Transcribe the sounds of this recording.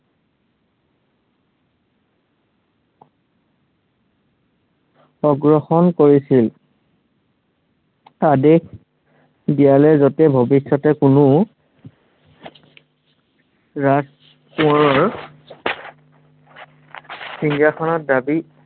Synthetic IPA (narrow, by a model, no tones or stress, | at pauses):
ɔɡɹɔxɔnkoɹisil | adek | dialɛzɔtɛbʱobisɔtɛkʊnʊ | ɹas | kuɔɹɔɹ | sinɡjakʰɔnɔt̚dabi